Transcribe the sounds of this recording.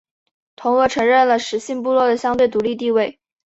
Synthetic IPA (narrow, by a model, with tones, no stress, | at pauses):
t̪ʰʊ˧˥ŋɤ˥˩ʈ͡ʂʰɤ˧˥ŋɻə˥˩nlə˩ʂɻ̩˧˥ɕi˥˧npu˥˧lwɔ˥˩d̪ə˩ɕjɑ˥ŋt̪we˥˩ɪt̪u˧˥li˥˧t̪i˥˧we˥˩ɪ